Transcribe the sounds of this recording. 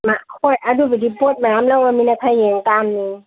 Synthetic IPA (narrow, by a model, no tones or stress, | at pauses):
maʔkʰojʔadubidipot̚maamlawaminakʰajːeŋtamni